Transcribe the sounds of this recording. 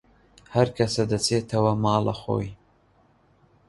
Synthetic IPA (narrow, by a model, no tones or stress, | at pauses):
hɐɾkʰɐsɐd̪ɐt͡sʰeːt̪ʰɐwɐmɑːlɐ̰xo̰ːj